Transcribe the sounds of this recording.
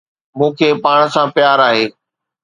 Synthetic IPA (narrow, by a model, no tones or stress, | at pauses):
mũːkʰeːpaːɽ̃sãːpjaːɾaːɦeː